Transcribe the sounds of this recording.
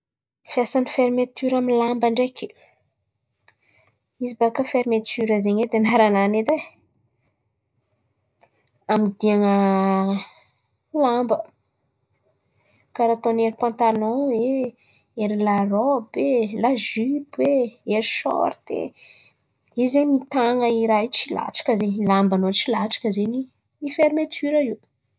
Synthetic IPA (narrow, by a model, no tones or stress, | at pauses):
fjasanifeɾimet̪yɾaminlambaɳɖ͡ʐekʲi̥ | izibakəfeɾmet̪yɾəzeɲed̪enaɾananed̪e | amid̪iaŋə | lambə | kaɾat̪oneɾipãnt̪alɔ̃e | eɾilarobelaʒybweeɾiʃɔ̰ɾt̪ḛ | izemit̪aŋəiɾat͡ʃila̰ʈ͡ʂḁkəzeɲilambanot͡ʃilaʈ͡ʂḁkəzeɲi | ifeɾimet̪yɾəiu